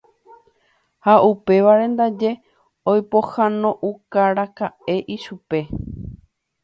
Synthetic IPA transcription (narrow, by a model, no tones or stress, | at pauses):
haupe̞ʋaɾẽ̞nd̪ad͡ʒe̞ | ojpohãnõ̞ʔukaɾakae̞ʔiʃupe̞